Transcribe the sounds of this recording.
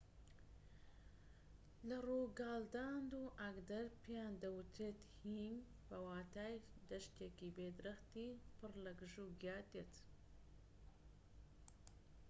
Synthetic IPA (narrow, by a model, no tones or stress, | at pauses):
lɐruːɡaːld̪aːnd̪uːʔaɡd̪ɐɾpʰijaːnd̪ɐwt̪ʰeːt̪hin | b̥ɐwaːt̪aːjd̪ɐʃkeːkibeːd̪ɾɐxt̪iːpʰɨɾlɐɡʒuːɡjaːd̪et̪